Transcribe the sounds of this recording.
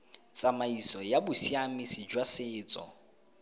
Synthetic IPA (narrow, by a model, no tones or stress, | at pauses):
t͡sʼamaisɔjabʊsiamɪsid͡ʒwasɪːt͡sʼɔ̰